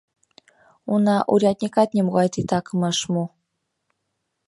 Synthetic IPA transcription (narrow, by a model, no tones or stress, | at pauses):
unɑʔuɾʲɑt̪ʲnʲikɑt̪̚nʲemuɣɑjt̪it̪ɑkɤmɑʃmu